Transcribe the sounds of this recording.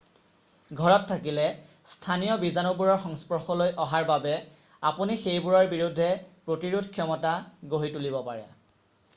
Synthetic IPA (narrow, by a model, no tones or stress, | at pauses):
ɡʱɔɹɔtʰːakilɛ | stʰanijɔbizanobuɹɔɹxɔŋspɔɹxɔlojʔɔɦaɹbabɛ | apunixejbuɹɔɹbiɹudʱːɛpɹotiɹudʱkʰjɔmɔtaɡoɦitulibɔpa̰ɹɛ̰